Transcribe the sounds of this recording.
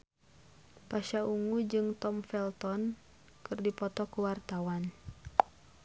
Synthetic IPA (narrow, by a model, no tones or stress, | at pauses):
paʃauŋud͡ʒɨŋt̪ɔmfɛlt̪ɔn | kɨrdipɔt̪ɔkuwart̪awan